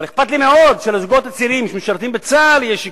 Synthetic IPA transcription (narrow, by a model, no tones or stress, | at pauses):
leχpat̪limeo̞d̪ʃelezuɡo̞t̪at͡siʁimjʃmeʃaʁt̪imbet͡saljeʃ